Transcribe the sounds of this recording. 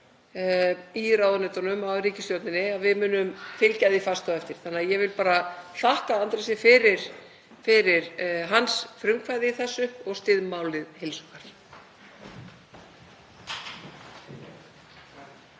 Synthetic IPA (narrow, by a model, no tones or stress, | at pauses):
iɾawðʏnɛt̪ɔnʏmawɾiːcɪsjowt̪nɪnɪaðvɪðmʏːnʏmfɪlcajðifast̪aɛft̪ɪɾ̥θanːaðjɛvɪlpaːɾaθahkaant̪ɾasɪfɪɾɪɾ̥ | fɪɾɪɾɦansfɾʏmkʰvajðɪiθɛsːʏɔɣst̪ɪðmaːwlɪðhelsɔkaɾ̥